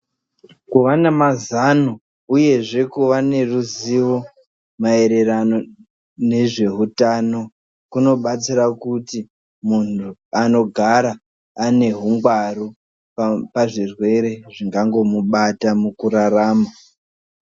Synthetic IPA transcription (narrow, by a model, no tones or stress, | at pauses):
kuʋanamazano | uje̞ʐe̞kuʋane̞ruziʋo̞ | mae̞ɾe̞rano | ne̞ʐe̞ɦutano | kuno̞ɓat͡siɾakuti | muntuano̞ɡʱaɾaː | ne̞ɦuŋɡwaru | paʐirwe̞ɾe̞ʐiŋɡaŋɡo̞muɓatamukuɾaraːma